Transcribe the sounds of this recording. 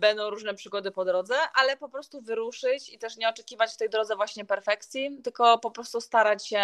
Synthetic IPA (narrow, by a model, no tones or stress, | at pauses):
bɛnd̪ɔ̃w̃ɾuʐnɛpʂɘɡɔd̪ɘpɔd̪ɾɔd̪zɛʔalɛpɔpɾɔst̪uvɘɾuʂɘt͡ɕit̪ɛʂɲɛɔt͡ʂɛkʲivat͡ɕft̪ɛjd̪ɾɔd̪zɛvwaɕɲɛpɛɾfɛkt̪sʲjit̪ɘlkɔpɔpɾɔst̪ust̪aɾat͡ɕɕɛ